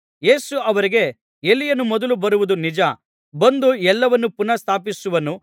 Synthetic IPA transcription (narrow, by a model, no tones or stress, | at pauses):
je̞ːsuɐʋɐɾiɡe̞ | elːijɐnːumɔd̪ɐlubɐɾuʋud̪unid͡ʒɐ | bɐnd̪uɛlːɐʋɐnːupunɐst̪ʰaːpisuʋɐnːu